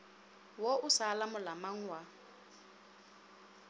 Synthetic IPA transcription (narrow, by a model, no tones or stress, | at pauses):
wɔʊsalamʊlamaŋ̩wa